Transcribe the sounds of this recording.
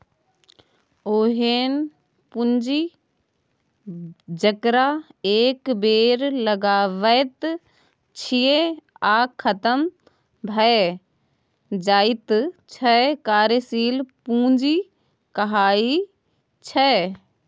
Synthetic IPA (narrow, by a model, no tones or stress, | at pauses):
oːɦeːn | pʊɲd͡ʒi | d͡ʒəkɾaeːkbeːɾlɐɡaːʋəjt̪ | t͡ʃʰijeaːkʰːɐt̪əm | bʱɐe | d͡ʒaːɪt̪t͡ʃʰɐkaːɾjesiːlpũːɲd͡ʒi | kɐɦaːi | t͡ʃʰɐ